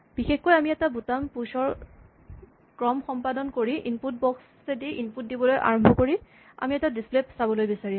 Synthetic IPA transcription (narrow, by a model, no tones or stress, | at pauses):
b̥ixexkojamiɛtabutampusɔɹ | kɹɔmxɔmpadɔnkoɹiʔinput̚bɔks | ediʔinput̚dibɔlojʔa̰ɹɔmbʱɔkoɹi | a̰miɛtadisplepsabɔlojbisaɹi